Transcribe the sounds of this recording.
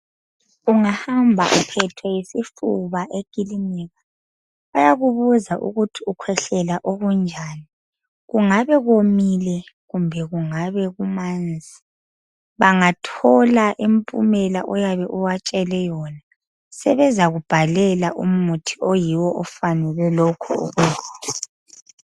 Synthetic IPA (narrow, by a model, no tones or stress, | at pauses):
uŋahambʱa̰ʔṵpʰɛtʰɔjesifuβaʔeɡ̥ʼilimiːɣa | ajaɣuβuzaʔṵɣutʰiukʰwɛɬɛlaʔoɣund͡ʒʱaːni | ɣuŋaβɛɣomilɛɣumbʱɛɣuŋaβɛɣumaːnd͡zʱi | βaŋatʰɔlaʔimpʼṵmɛlaʔɔjaβɛʔuwat͡ʃʼɛlɛjɔna | sɛβɛzaɣub̥ʱalɛlaʔṵm̩mutʰiojiwɔʔɔfanɛlɛlɔkʰɔo̰ɣuaːla